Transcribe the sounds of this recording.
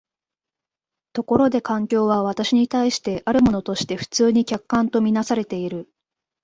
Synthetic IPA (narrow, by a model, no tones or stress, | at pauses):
t̪o̞ko̞ɾo̞d̪e̞kãŋkʲo̞ːβaβ̞at̪aɕiɲ̟it̪aiɕi̥t̪e̞ʔaɾɯ̟mo̞no̞t̪o̞ɕi̥t̪e̞ɸɯ̟̥t͡sɨːɲ̟ikʲakːãnt̪o̞mʲinasaɾe̞t̪e̞iɾɯ̟